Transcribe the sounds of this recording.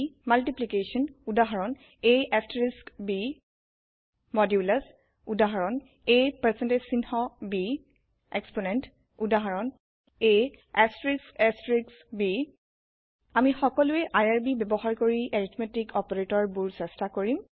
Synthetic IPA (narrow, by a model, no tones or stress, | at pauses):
maltiplikesɔnudaɦaɹɔn | eʔastɹiskbi | mɔdjulas | udaɦaɹɔn | ejpaɹsɛntesinhɔbi | eksponɛnt | udaɦaɹɔn | e | ɛstɹiksɛstɹiksbi | amixɔkɔlʊɛʔajaɹbibɛbɔɦaɹkoɹiʔeɹitʰmetikʰɔpɔɹetɔɹbuɹsɛstakoɹim